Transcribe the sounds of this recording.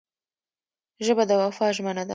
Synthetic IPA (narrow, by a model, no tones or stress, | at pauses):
ʒəbad̪əwafɑʒmənad̪a